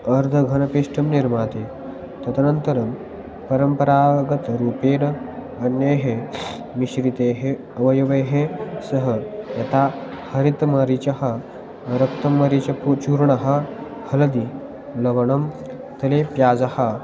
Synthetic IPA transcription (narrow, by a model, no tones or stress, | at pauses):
ɐɾd̪ʱɐɡʱɐnɐpiʂʈɐmniɾmaːt̪e | t̪ɐt̪ɐnɐnt̪ɐɾɐm | pɐɾəmpɐɾaːɡɐt̪ɾuːpeːnɐ | ɐnjeɦe | miɕɾit̪eːɦe | ɐʋɐjɐʋeɦesɐɦɐjɐt̪ʰa | hɐɾit̪mɐɾit͡ɕɐɦɐ | ɾɐkt̪ɐmːɐɾit͡ɕɐput͡ʃuɾɳɐɦɐ | hɐlɐd̪i | lɐʋɐɳɐm | t̪ɐlepjaːd͡zɐhɐ